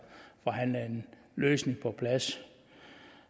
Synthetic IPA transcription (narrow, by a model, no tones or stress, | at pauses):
fɒ̽ɦænlæe̝n | løːsne̝ŋpʰɒ̽pʰlæs